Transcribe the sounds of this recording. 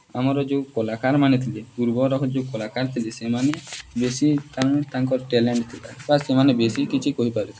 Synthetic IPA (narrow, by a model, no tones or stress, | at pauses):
amɔɾɔd͡ʒeukolakaɾmanet̪ʰileɡuɾbɔɾɔkɔd͡ʒekolakaɾt̪ʰilesemanebesit̪aŋt̪aŋkɔɾʈeleɳʈt̪ʰilabasemanebesikit͡ʃʰikoɦipaɾet̪ʰi